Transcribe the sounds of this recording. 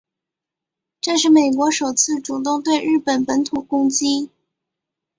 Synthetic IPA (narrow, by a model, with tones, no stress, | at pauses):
ʈ͡ʂɤ˥˧ʂ̬ɻ̩˥˩me˨˩ɪkwɔ˧˥ʂo˨˩ʊt͡sʰɹ̩˥˩ʈ͡ʂu˨˩t̪ʊ˥˧ŋt̪we˥˧ɪɻɻ̩˥˩pə˨˩npə˧˥nt̪ʰu˨˩kʊ˥ŋt͡ɕi˥